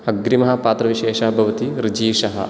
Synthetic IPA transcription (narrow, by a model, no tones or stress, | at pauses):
ɐɡɾimɐɦɐ̆paːt̪ɾɐʋiʃeːʃɐɦɐbʱɐʋɐt̪iɾid͡ʒiːʃɐɦɐ̰